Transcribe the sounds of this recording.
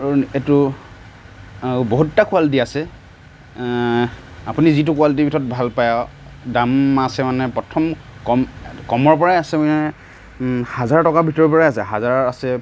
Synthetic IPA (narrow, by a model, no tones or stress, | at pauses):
etʊ | boɦutːakualit̬iasɛ | apunizit̬ʊkualit̬ibʱitɔɔt̚bʱalpajɔ | damasɛmanɛpɹɔtʰɔmkɔmkɔmɔɹpɔɹajasɛnɛ | hazaɹtɔkabʱitɔɹpɔɹajasɛɦazaɹasɛ